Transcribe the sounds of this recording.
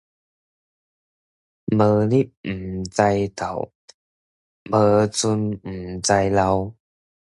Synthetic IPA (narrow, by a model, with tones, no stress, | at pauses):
mə˧li˦˥˩p̚m̩˨˩t͡sa˧jt̪a˨˩w | mə˧t͡su˧nm̩˨˩t͡sa˧jla˧w